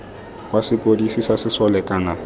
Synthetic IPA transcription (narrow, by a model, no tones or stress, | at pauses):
wasɪpʼodisisasɪsɔlɛkʼaːna